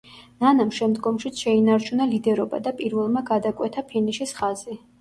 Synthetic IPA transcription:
nanamʃɛmd̪ɡɔmʃit̪sʃɛinaɾt͡ʃʰunalid̪ɛɾɔba̰d̪apʼiɾvɛlˠmaɡad̪akʼwɛt̪ʰapʰiniʃisχazi

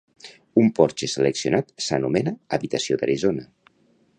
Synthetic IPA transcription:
umpɔɾt͡ʃeseleksiunat̪sənumɛnaːβit̪əsiod̪a̰ɾizona

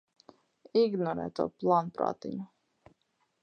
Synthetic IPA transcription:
iɡnɔɾɛ̰ːt̪ṵːplˠanpɾa̰ːt̪ḭɲu

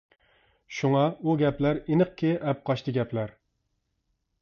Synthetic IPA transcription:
ʃuŋɑuɡʲɛplæɾinɨqkʲʰɪʔɛp̚qʰɑʃt̪ʰɨɡʲɛpʰlæɾ

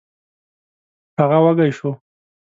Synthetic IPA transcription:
haɣawaɡajʃo

